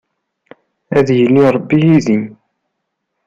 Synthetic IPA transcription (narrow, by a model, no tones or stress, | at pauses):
æðjəniɾˤəbːijiðim